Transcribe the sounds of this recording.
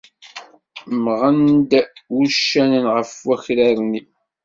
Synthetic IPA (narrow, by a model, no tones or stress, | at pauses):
mʁənd̪wuʃːænənʁəfwæçɾæɾni